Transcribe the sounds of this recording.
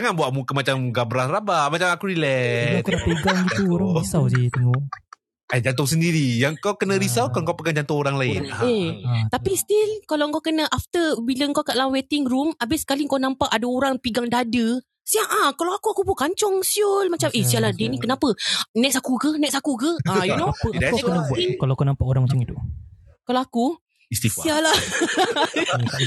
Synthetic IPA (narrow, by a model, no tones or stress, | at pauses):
aŋanbuwaʔmukəmat͡ʃamɡabɾarabamat͡ʃamakuɾilɛkkənapeɡaŋɡit̪uoɾaŋisawd͡ʒit̪əŋɔ | ɛd͡ʒant̪ʊŋsəndiɾijaŋkawkənãɾisawkaŋkawpəɡaŋd͡ʒant̪ʊŋoɾaŋlaɪnet̪apist̪ilkalawŋkawkənəʔaft̪əbiləəŋkawkaʔlamwet̪ɪŋɾumabɪsə̥kaliŋkanãmpaʔadaoɾaŋpiɡaŋdadə | siaʔãkalawakuakubukaɲt͡ʃɔŋsiulmat͡ʃamʔesialahdenĩkənapənɛksakukənɛk̚sakukəajunoɛkkənabukalawkanãmpaʔoɾaŋmat͡ʃaŋit̪u | kalawaku | ist̪ifsiala